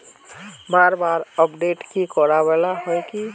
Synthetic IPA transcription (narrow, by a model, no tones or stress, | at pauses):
baːɾbaɾəpɖeʈkikɔɾabɛlaɦɔjki